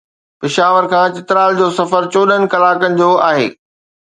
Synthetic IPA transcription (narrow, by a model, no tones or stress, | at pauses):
pɪʃaːʋəɾkʰãːt͡ɕɪt̪ɾaːld͡ʑoːsɐfəɾt͡ɕoːɗənɪ̆kɐlaːkənɪ̆d͡ʑoːaːɦḛː